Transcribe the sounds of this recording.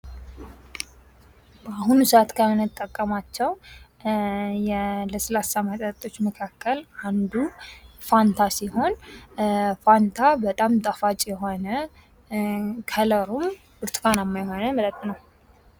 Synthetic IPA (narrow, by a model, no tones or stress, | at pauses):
baɦunusəʔat̪kʰəmɨnɨt̪ʼːəkʼːəmat͡ʃːɛw | jɛləsəlasamət̪ʼət̪ʼo̞t͡ʃːməkʰakʰːəland̪ufant̪ʰasiho̞n | fant̪ʰabət̪ʼamt̪ʼafat͡ʃʼjɛɦonə | kʰələɾum | b̥ɨɾt̪ʰkʰanamːajhonəmət̪ət̪ʼːnəw